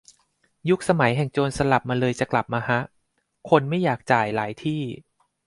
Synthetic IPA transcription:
ju˦˥k̚sa˧ma˩˦jɦɛ˨˩ŋt͡ɕoː˧nsa˧la˨˩p̚maː˧lɤː˧jt͡ɕa˨˩kla˨˩p̚maː˧ɦa˦˥ʔ | kʰo˧nma˥˩jaː˨˩k̚t͡ɕaː˨˩jlaː˩˦jt̪ʰiː˥˩

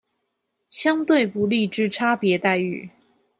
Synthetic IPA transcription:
ɕjɑ˥ŋt̪we˥˩ɪpu˧˥li˥˧ʈ͡ʂɻ̩˥ʈ͡ʂʰa˥pjɛ˨˧˥t̪a˥˧ɪy̰˥˩

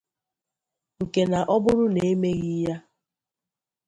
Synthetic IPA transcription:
ŋ̩˨ke˨na˨ʔɔ˦bʊ˦ɾʊ˦ne˨e˦me˦ɣi˦ja˦

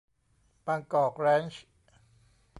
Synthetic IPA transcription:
paː˧ŋkɔː˨˩k̚ɾɛː˦˥nt͡ɕ

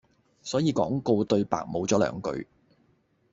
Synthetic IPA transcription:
sɔː˨˥jiː˨˧kɔ̰ː˨˥ŋko˧wt̪ɵ˧ɥpa̰ː˨k̚mo˨˧wt͡sɔː˨˥lœ̰ː˨˩˥ŋkɵ̰˧ɥ

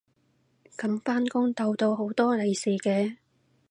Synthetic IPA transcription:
kɐ˨˥mfaː˥nkʊ˥ŋt̪o˧wt̪o˧wɦo˨˥wt̪ɔː˥le˨jsiː˨˩kɛː˧

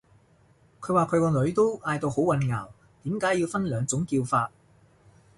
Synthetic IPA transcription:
kʰɵ˨˧ɥwaː˨kʰɵ˨˧ɥkɔː˧lɵ˨˧ɥt̪o˥wʔaː˧jt̪o˧who˨˥wɐ˨˧nŋa̰ː˨˩w | t̪iː˨˥mkaː˨˥jiː˧wfɐ˥nlœː˨˧ŋt͡sʊ˨˥ŋkiː˧wfaː˧t̚

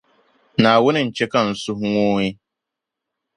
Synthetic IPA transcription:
naː˨wʊ˦nɪ˨n̩˨t͡ʃe˦ka˦n̩˨su˦ɦŋoː˦ɲi˦

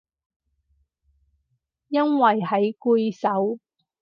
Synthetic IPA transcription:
jɐ˥nwɐ˨˩jɦɐ˨˥jku˧jsɐ˨˥w

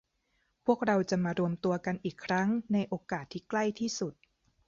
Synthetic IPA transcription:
pʰu˥˩ək̚ɾa˧wt͡ɕa˨˩maː˧ɾu˧əmt̪u˧ɐka˧nʔiː˨˩kʰːɾa˦˥ŋna˧jʔoː˧kaː˨˩t̪ʰːiː˥˩kla˥˩jt̪ʰiː˥˩su˨˩t̪̚

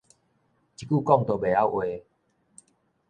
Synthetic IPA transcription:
t͡ɕi˨ku˥˨kɔ˥˨ŋt̪o˨be˨˩a˦˨wʔwe˧˨

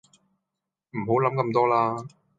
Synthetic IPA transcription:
m̩˨˩ɦo˨˥wlɐ˨˥mkɐ˧mt̪ɔː˥laː˧˥

